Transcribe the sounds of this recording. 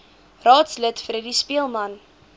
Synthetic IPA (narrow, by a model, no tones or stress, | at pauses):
rɑːtslətfəɾidispiəlˠmɐn